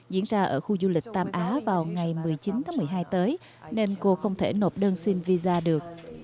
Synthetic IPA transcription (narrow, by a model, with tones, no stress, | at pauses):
zḭ˧˩ənzaː˧ʔə̰ː˧˩xu˧zu˧lï˨˩k̟̚t̪aː˧mʔaː˨˦vaː˨˩wŋa˨˩jmɨ˨˩əjt͡ɕi˨˦nt̪ʰaː˨˦ŋmɨ˨˩əjɦaː˧jt̪əː˨˦j | ne˧nko˧xə˧wŋ͡mt̪ʰe˧˩no˨˩p̚ɗəː˧nsi˧nvi˧zaː˧ɗɨ˨˩ək̚